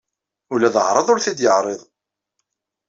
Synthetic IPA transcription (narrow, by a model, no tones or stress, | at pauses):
ʊlæðəʕɾˤɑðˤʊɾθid̪jəʕɾˤeðˤ